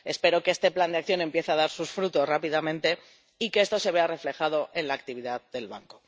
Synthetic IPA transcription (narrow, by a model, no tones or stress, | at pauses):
e̞spe̞ɾo̞kest̪e̞pland̪eakθjo̞ne̞mpje̞θeaðaɾsusfɾut̪o̞srapiðamẽ̞nt̪e̞ | ikeest̪o̞se̞βe̞are̞fle̞xað̞o̞ʔe̞nlaːkt̪iβ̞iðaððe̞lβaŋko̞